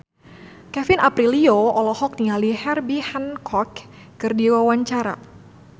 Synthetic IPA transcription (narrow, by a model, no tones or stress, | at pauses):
kɛfɪnapɾilioɔlɔhɔk̚niŋalihɛrbihankʰɔkː | ɨrdiwawaɲt͡ʃaɾa̰